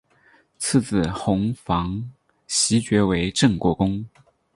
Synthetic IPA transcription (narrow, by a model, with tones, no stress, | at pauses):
t͡sʰɹ̩˥˧t͡sɹ̩˥˩xʊ˧˥ŋfɑ˧˥ŋ | ɕi˧˥t͡ɕɥɛ˧˥we˧˥ɪʈ͡ʂɤ˥˧˩ŋkwɔ˥˩kʊ˥ŋ